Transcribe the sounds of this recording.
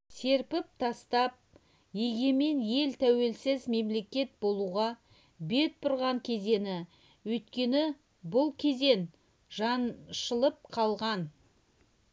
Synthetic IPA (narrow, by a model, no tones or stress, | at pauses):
se̞ɾpɪp̚t̪ʰɑst̪ɑp̚ | jeɡʲe̞me̞nje̞lt̪ʰæwe̞lsɪzme̞mle̞kʲe̞t̪̚bo̞lˠuʁɑ | be̞t̪̚pʰʊɾʁɑŋkʲʰe̞ze̞nɪ | wɵjt̪kʲe̞nɪ | bʊlˠkʲʰe̞ze̞n | ʒɑnʃəlˠəp̚qʰɑlˠʁɑn